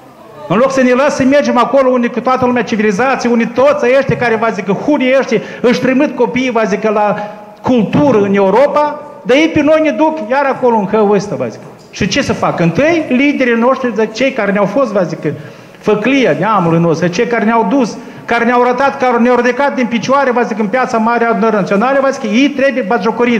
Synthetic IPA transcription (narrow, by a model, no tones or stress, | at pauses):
ɨnlo̞ksənelasəme̞rd͡ʒemakolounijkut̪oat̪əlumʲat͡ʃivilizat̪sʲijunit̪ot̪sʲaeʃt̪ʲakaɾevazikəxunʲiəʃt̪i | ɨʃt̪ɾimɨt̪̚ko̞piːvazikəla | kult̪uɾəɨne̞uɾo̞pa | d̪ajejpeno̞jned̪ukjaɾakoloɨnxəwəst̪ava̰zikə | ʃit͡ʃe̞səfakɨnt̪ɨjlid̪e̞ɾino̞ʂt̪ɾizat͡ʃe̞jkaɾeneawfost̪vazikə | fəklijanʲeamulujno̞st̪ɾut͡ʃejkaɾeneawd̪us | kaɾeneawɾat̪at̪kaneawɾud̪ekat̪̚d̪inpit͡ʃoaɾevazikəɨnpjat̪samaɾead̪unəɾənat̪sio̞naləvazi̥kəjejt̪ɾe̞bujebaʒokəɾi